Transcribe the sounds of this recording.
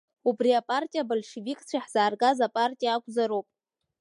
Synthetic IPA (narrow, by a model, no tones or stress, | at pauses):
ubriapʼartʼijabolʂevikʼt͡sʷʰaħz̥aːrɡazapʼartʼijaːkʷʰʼzaɾowpʼ